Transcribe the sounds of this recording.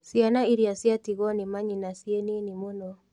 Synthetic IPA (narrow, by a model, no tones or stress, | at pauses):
sianaiɾiasjatiɣɔnimaɲinasieninimonɔ